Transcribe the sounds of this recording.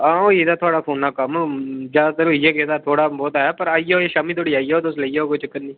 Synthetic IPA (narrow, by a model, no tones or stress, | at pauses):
ãːõːeːd̪aːt̪ʰʊaːɽaːpʰoːnːaːkəmd͡ʒaːd̪aːt̪əɾoijeːkeːd̪aːt̪ʰoːɽaːbɔːt̪ːɛpəɾaːijaoːeːʃaːmiːt̪ʰoːɽiːaːiːaɦoːt̪̬oʊsləijaɦoːkʊt͡ʃəkːənːiː